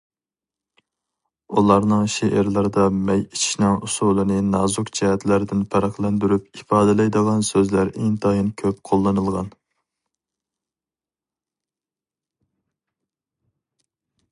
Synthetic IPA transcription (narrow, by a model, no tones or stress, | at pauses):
ulˠɑɾnɨŋʃeʔɪɾlˠɑɾɨd̪ɑmɛjit͡ʃʰi̥ʃnɨŋusulˠɨnɨnɑzukt͡ʃʰɛhɛt̪læɾd̪ɪnpʰæɾɑχlˠɛnd̪yɾypifɑːd̪ɪlˠɛjd̪əʁɑnsøzlæɾʔeŋt̪ʰɑjinkʲʰøpqʰolˠːɨnɨlˠʁɑn